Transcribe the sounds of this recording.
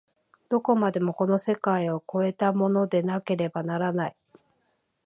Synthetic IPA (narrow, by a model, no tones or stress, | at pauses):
d̪̥o̞ko̞mad̪e̞mo̞ko̞no̞se̞kaioko̞e̞t̪amo̞no̞d̪e̞nake̞ɾe̞banaɾanai